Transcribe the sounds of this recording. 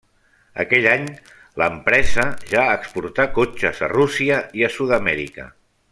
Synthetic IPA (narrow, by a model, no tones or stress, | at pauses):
ə̰kɛʎaɲ | ləmpɾɛzəʒaːkspuɾt̪akot͡ʃəzə̰rusiəiəsuðəmɛɾḭkə̰